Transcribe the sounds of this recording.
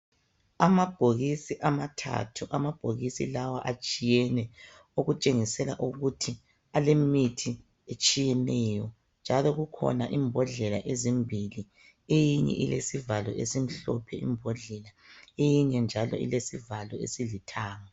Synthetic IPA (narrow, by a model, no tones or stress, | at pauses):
amab̥ʱoɣisiʔamatʰa̰tʰuʔamab̥ʱoɣisḭlawaʔat͡ʃʼijɛnɛ | oɣut͡ʃʼeŋisɛla̰ʔuɣutʰi | alemitʰi | et͡ʃʼijɛnɛjɔ | nd͡ʒʱalɔɣukʰɔ̰naʔimbʱɔɮɛlaʔezimbʱili | ejiɲɛ̰ʔilesivalɔesim̩ɬɔpʰɛʔḭmbʱɔɮɛlaejiɲɛnd͡ʒʱalɔ̰ḭlesivalɔḛsilitʰaːŋa